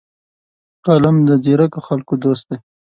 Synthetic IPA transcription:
qalamd̪əd̪iɾakoxalkod̪ost̪̚d̪e

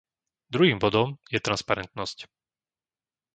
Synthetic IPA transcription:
d̪ɾuɦiːmbɔd̪ɔmjɛt̪ɾanspaɾɛnt̪nɔsc

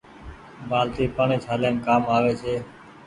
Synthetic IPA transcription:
baːlt̪iːpaːɳ̃iːt͡ʃʰaːljaːnkaːmaːʋeːt͡ʃʰeː

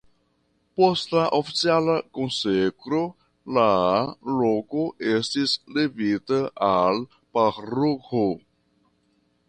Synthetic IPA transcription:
poslaʔofisjalakõnsekɾo | lalokoʔest̪islevit̪əal | paɾuho

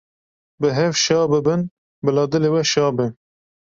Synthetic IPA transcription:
bɨɦɛvʃɑːbɨbɨn | bɨlɑːd̪ɨleːwɛʃɑːbɨn

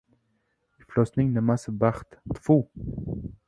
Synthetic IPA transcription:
iflɔsnɪŋnəmasəbaχt̪t̪fu

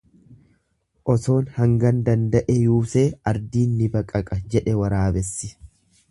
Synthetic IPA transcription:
ʔɔt̪o̞ːnhɐŋɡɐnd̪ɐnd̪ɐʔɛjuːseːɐɾd̪iːnːɪbɐkʼɐkʼɐd͡ʒɛᶑɛwɐɾaːbɛsːɪ

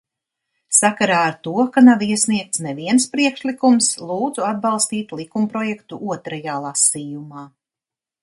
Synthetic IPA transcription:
sakaɾaːɾt̪uɔkanaviɛsniɛk̚t̪snɛviɛnspɾiɛkʃlˠikumslˠuːd̪zuad̪̚bɑlˠst̪iːt̪lˠikumpɾɔjɛkt̪uʔuɔt̪ɾajaːlˠasiːjumaː

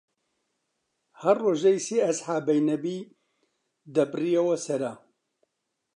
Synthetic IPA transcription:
hɐrroːʒejseːɐsħaːbɐjnɐbiː | d̪ɐbrijɛwɐsɐɾa

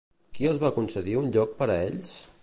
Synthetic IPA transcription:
kiəlˠzβakunsəðiunʎɔk̚pəɾəeʎs

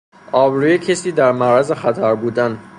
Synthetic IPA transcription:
ʔɒːbɾujecʰesiːd̪æɾmæɾæzexæt̪ʰæɾbuːd̪æn

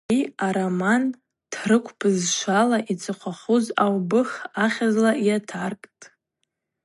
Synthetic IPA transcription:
iaɾaman | tʰrɨkʷʰpɨzʃʷalaʔit͡sʰʼɨqʷʰaχuzawbɨχaχʲazlaʔiatʰarkʼtʼ

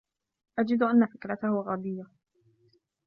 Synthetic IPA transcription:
ʔad͡ʒɪd̪ʔanːafɪkɾat̪ahʊɣɑːd̪ˤɨjːa

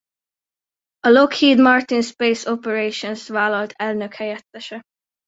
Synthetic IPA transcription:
ɒlokhiːd̪mɒrt̪inspeːsopɛɾeːʃonsvaːlɒlt̪ʰɛlnøkhɛjɛt̪ːɛʃɛ

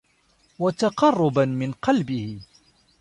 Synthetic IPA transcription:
wat̪aqɑrˤːʊbanmɪnqɑlbɪhɪ

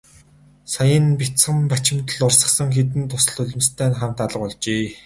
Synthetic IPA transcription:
sajə̆npit͡sχə̆mpat͡ɕɪ̆mt̪ə̆ɮʊrsə̆χsə̆ŋxet̪̬ɘ̆nt̪ʰʊsə̆ɮɵɮʲɪ̆mst̪ʰæːnχam̥t̪aɮə̆qɔɮt͡ɕeː

